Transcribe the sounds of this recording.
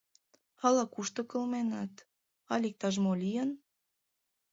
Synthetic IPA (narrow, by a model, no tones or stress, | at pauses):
ɑlɑkuʃt̪ɤ̆kə̆lmenɑt̪ | ɑlʲik̚t̪ɑʒmolʲijən